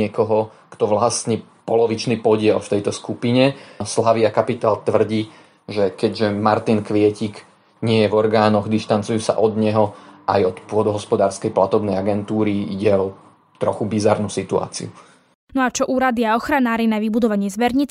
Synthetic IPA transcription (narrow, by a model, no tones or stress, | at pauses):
ɪɛkɔɦɔ | kt̪ɔʋlasniː | pɔlɔʋit͡ʃniːpɔɟɪɛlft̪ɛjt̪ɔskupiɲɛslaʋiakapit̪aːlt̪ʋr̩ɟiː | ʒɛkɛɟʒɛmaɾt̪inkʋɪɛcik | ɲɪɛjɛvɔɾɡaːnɔɣd̪iʃt̪ant͡sujuːsa̰ʔɔd̪ɲɛɦɔʔa̰jɔt̪pʊɔd̪ɔɦɔspɔd̪aːɾskɛjplat̪ɔbnɛjaɡɛnt̪uːɾiiɟɛɔ | t̪ɾɔxubizaɾnusit̪ua̰ːt͡sḭu | nɔat͡ʃɔʔuːɾad̪iaɔxɾanaːɾinaʋibud̪ɔʋaɲɪɛzʋɛɾɲit͡s